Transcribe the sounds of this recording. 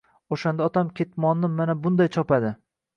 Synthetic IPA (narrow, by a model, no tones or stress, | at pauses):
oʃand̪aɒt̪ʰamkʲʰe̞t̪mɒnːɪmanabʊnd̪ajt͡ʃʰɒpad̪ɪ